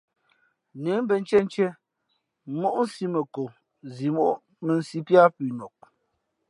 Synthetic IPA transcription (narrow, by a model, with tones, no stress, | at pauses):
ne˨˦m˦bɛ˨n̩˦t͡ʃɛ˦n˦t͡ʃɛ˦ | mo˦ʔn̩˦si˦mə˨ko˨ | zi˨mo˦˨ʔ | mə˨n̩˨si˦pja˦pi˨nɔ˨k̚